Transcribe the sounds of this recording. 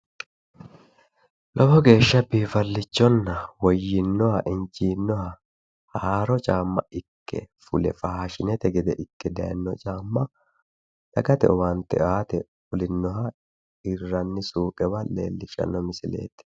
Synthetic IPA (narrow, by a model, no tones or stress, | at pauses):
lʔɔbɔɡe̞ːʃːɐbiːfɐlːɪt͡ʃːɔnːɐwɔjːɪnːɔhɐʔɪnt͡ʃiːnːɔhɐ | haːɾɔt͡ʃʼaːmːɐ̰ʔɪkːɛ̰fʊlɛ̰fɐhɐʃɪnɛt̪ɛɡɛd̪ɛʔɪkːɛd̪ɐjɐ̰nːɔt͡ʃʼaːmːɐ | lɐɡɐt̪ɛ̰ɔwaːnt̪ɛʔaːt̪ɛ | ʊlɪnːɔɦɐ | ɪrːɐnːɪsuːkʼɛwɐle̞̰ːlːɪʃɐ̰nːɔmɪsɪle̞̰ːt̪